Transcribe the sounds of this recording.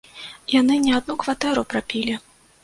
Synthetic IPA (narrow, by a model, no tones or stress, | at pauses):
janɨnʲɛad̪nukvat̪ɛɾupɾapʲilʲi